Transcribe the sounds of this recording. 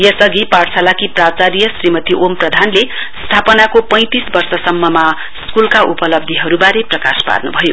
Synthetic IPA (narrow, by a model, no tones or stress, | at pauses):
jʌsʌɡiparsalakiprat͡saɾijʌsrimʌt̪iʔomprʌd̪ʱanle | st̪ʰapʌnakopʌ̃j̃t̪isbʌrsʌsʌmːʌma | skulkaʔupʌlʌb̚d̪ʱiɦʌɾubaɾeprʌka̰spa̰rnubʱʌjo